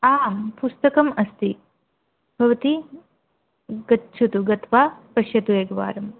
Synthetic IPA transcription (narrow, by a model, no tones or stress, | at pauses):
aːmpust̪ɐkɐmɐst̪i | bʱɐʋɐt̪i | ɡɐtːt͡ʃʰut̪uɡɐt̪ʋaːpɐʃjɐt̪ueːɡɐʋa̰ːɾɐm